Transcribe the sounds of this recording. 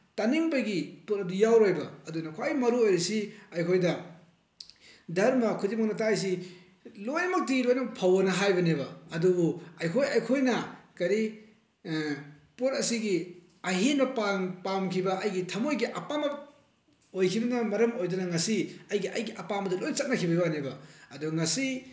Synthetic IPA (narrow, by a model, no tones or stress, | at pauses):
taniŋbɐɡiput̚ɐdujawɾojbɐɐdunɐkʰojmɐɾuojɾɐsiɐjkʰojdɐ | dɐɾmɐkʰudimɐk̚nɐtaːjs̬i | lojnɐmɐk̚tiɡilojnɐmɐk̚pʰɐwɐnɐɦajbɐnebɐɐdubuɐjkʰojɐjkʰojnɐkɐɾi | puɾɐsiɡi | ɐɦinɐpapamkʰibɐʔɐjɡitʰɐmojɡiʔɐpamɐ | ojkʰibɐnɐmɐɾɐmojdɐnɐŋɐsiɐjɡiʔɐjɡiʔɐpamɐdɐlojnɐt͡ʃɐt̚nɐkʰibɐjbanebɐɐduɡŋɐsi